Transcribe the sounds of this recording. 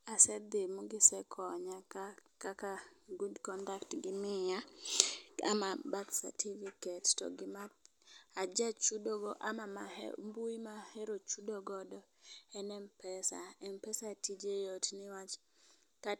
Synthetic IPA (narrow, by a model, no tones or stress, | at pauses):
asɛd̪ɪmuɡɪsɛkʰɔɲaakakaɡudkɔndaktɡɪmɪja | a̰mabat̪sa̰tʰifikɛttɔ̰ɡɪma | ad͡ʒat͡ʃudoɡɔʔamama̰mbuimahɛɾot͡ʃudoɡɔdɔ | ɛnɛmpɛsa̰ɛmpɛsatid͡ʒejotnɪwat͡ʃ | ka